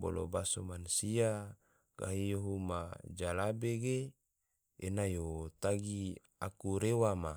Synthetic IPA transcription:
bo̰lo̰basomansia | ka̰ɦijoɦuma̰d͡ʒalabeɡe | enajot̪aɡi | akuɾewama

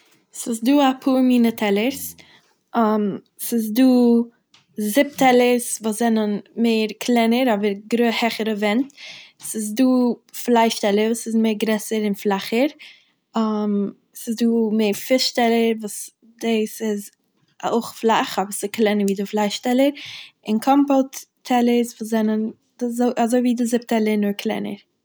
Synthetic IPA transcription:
sɪsduːapʰuːɾmiːnətʰɛlˠəɾs | am | sɪs̬duː | zɪp̚tʰɛlˠəɾsvoːszɛnənmeɪɾkʰlˠɛnəɾɔbəɾɡɾoːhɛχəɾəvɛntsɪs̬duːflˠaɪʃtɛlˠəɾvuːsɪzmeɪɾɡɾɛsəɾɪnflˠaχəɾ | am | sɪsduːmeːɾfɪʃtɛlˠəɾvuːs | dɪsɪz | o̰ʊχflˠaχɔbəɾsɪklɛnəviːdɪflˠaɪʃtɛlˠəɾɪnkʰɔmpɔlˠttʰɛlˠəsvuːs̬zɛnən | dɪzoɪʔazoɪviːdɪzɪp̚tɛlˠənʊɾkʰlˠɛ̰nə̰ɾ

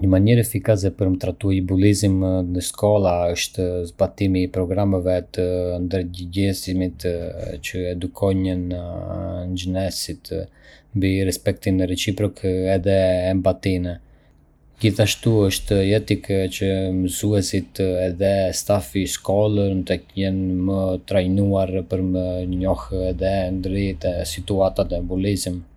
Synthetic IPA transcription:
ɲəmaɲɛɾɛfikas̬ɛpəɾmət̪ɾat̪uaibulizimnəskɔlˠaəʃt̪zbat̪imipɾɔɡɾamɛvɛt̪ənd̪əɾɟəɟɛsimit̪t͡ʃəɛd̪ukʰɔɲən | nd͡ʒənɛsit̪mbiɾɛspɛk̚t̪inɾɛsipɾɔkɛðɛːmbat̪inɛ | ɟiθaʃt̪uəʃt̪jɛt̪ikt͡ʃəməzuɛsit̪ɛðɛst̪afiʃkɔlənt̪əkjɛnmət̪ɾajnuaɾpəɾməɲɔhɛðɛnd̪ɾit̪ɛsit̪uat̪at̪ɛmbulizm

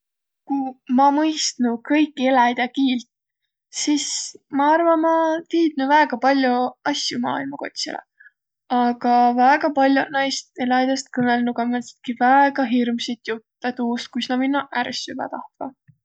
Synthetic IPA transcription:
kumɑmɤjst̪nukɤ̞jkːˑielæjd̪̥ʲɑkiːlt̪ | sismɑɑrvɑmɑt̪iːd̪̥̚nuvæeɡ̥ɑpɑlʲjuɑsjumɑ̰ːilmɑko̞̰t̪ʲsḭlḛ | ɑɡ̥ɑvæːɡ̥ɑpɑlʲjunɑjst̪e̞lɑjd̪̥ʲɑst̪̚kɤnelnuɡ̥ɑmese̥t̪̚kivæeɡ̥ɑɦirmsit̪jut̪ːɑt̪uːst̪̚kujsnɑminːɑʔæɾsybɑ̰t̪ɑht̪vɑ̰

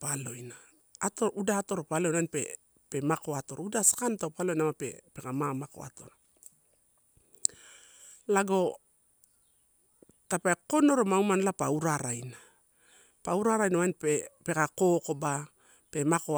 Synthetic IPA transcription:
palo̞jnaː | to̞udaːto̞ɾopalo̞jnanpḛ | pe̞mako̞ato̞ɾudasḁkantapalo̞jnamapḛpe̞kamamako̞̰a̰to̞̰ɾa | laɡo̞ | tapeko̞no̞ɾomaumanlapauɾaɾajna | pauɾaɾajnawajnpepe̞kako̞ko̞ba | pe̞mako

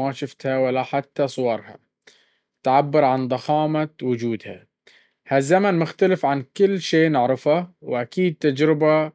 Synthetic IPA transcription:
aʃʊft̪hawalːaħat̪ːasˤwɑɾˤha̰ | t̪ʕabːɪɾˤʕand̪ˤɑxɑːmawʊd͡ʒuːd̪ha̰ | hazːamanmʊxt̪alɪfʕankɪlːʃeːnɪʕɾˤɪfawʔakiːd̪̚t̪ad͡ʒɾɪba

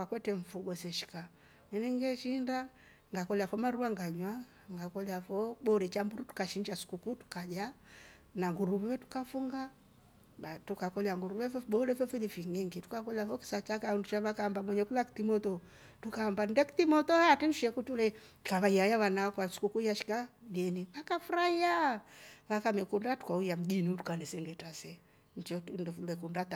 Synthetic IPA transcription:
wakwɛtɛɱ̩fuɡɔsɛʃi̥ka | nɛnɛŋɡɛʃinda | ŋɡakɔlafɔmaɾuaŋɡaɲwa | ŋɡakɔliafɔɓɔɾɛt͡ʃambuɾutu̥kaʃiɲd͡ʒasu̥kukutu̥kad͡ʒa | naŋɡuɾuβɛwɛtu̥kafuŋɡa | atukakɔliaŋɡuɾuβɛfɓɔɾɛfɔfilifiŋɛŋɡitu̥kakɔliafɔki̥sat͡ʃakaundut͡ʃaβakaːmbamwɛɲɛkulaki̥timɔtɔ | tukaːmbandɛki̥t̪imɔtɔhatinduʃɛkutulɛ | kaβaiajaβanawakwasu̥kukuijaʃi̥kaɡɛniβakafuɾaia | βakamɛkundatu̥kaujam̩ɡinitukanɛsɛŋɡɛtasɛ | ɲd͡ʒɔundfulɛkundat

